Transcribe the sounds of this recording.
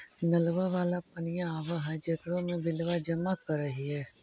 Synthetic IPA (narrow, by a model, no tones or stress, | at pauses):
nɐlʋaʋaːlap̚ɐnɪjãaːʋaɦɛd͡ʒekɽõmẽbɪlʋad͡ʒɐmakɐɾːɐɦiɦɛː